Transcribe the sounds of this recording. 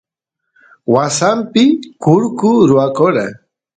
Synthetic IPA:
wasampɪkʊɾkʊɾʊwakoɾa

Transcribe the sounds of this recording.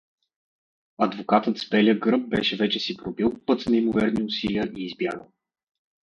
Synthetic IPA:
ɐd̪vokat̪ət̪spɛlʲjəɡɾɤb̚bɛʃɛvɛt͡ʃɛsipɾobilˠpɤt̪snɐimovɛɾniʊsiliəʔiːzbja̰ɡəlˠ

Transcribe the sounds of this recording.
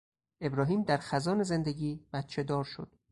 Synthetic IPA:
ʔe̞bɾɒːɦiːmd̪æɾxæzɒːneze̞nd̪eɟiːb̥æt̪t͡ʃʰe̞d̪ɒːɾʃo̰d̪̥

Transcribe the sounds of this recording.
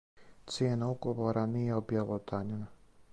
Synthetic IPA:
t̪sjenauɡoʋoːɾanijeobjalot̪aɲuna

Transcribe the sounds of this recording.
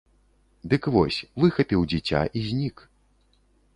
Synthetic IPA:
d̪ɨkvɔsʲvɨxɐpʲiwd͡zʲit͡sʲa̰ʔizʲnʲik

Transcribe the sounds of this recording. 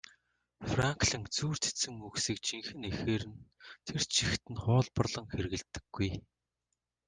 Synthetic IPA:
fraŋkɮə̆ŋt͡suːr̥t͡se̥sɘ̆ŋuksiːk̚t͡ɕʰiŋxɘ̆nexeːɾɘ̆nt̪ʰert͡ɕʰixt̪ɘ̆nχʊːɮpɞ̆rɮɞ̆ŋxerɣɘ̆ɮt̪ːɘ̆ɡ̥ːuj

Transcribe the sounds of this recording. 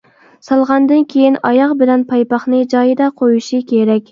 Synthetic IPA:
sɑlˠʁɑnd̪ɨnkʲʰejinɑjɑqbɪlɛnpʰɑjpɑχnɨd͡ʒɑjɨd̪ɑqʰojuʃikʲʰeɾɛkʲ

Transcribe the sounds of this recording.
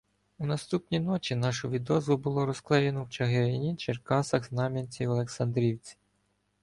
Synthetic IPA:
unɐst̪upnʲinɔt͡ʃinɑʃʊʋʲid̪ɔzʋʊbʊlˠɔɾɔsklˠɛjenɔwt͡ʃɐɦeɾʲɪnʲit͡ʃerkɑsɐɣznɑmʲɐnʲt͡sʲiɔlˠeksɐnd̪ɾʲiwt͡sʲi̥

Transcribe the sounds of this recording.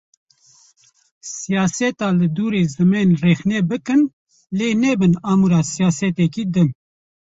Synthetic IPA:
sijɑːsɛt̪ɑːlɨd̪uːɾeːzɨmɛnreːxnɛbɨkɨn | leːnɛbɨnɑːmuɾɑːsijaːsɛt̪ɛkiːd̪ɨm

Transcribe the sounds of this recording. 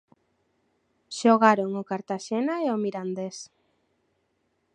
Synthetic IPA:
ʃoɣaɾoŋʊkaɾt̪aʃenaeomiɾand̪es

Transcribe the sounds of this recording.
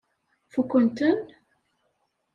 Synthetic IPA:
fukʷːənt̪ən

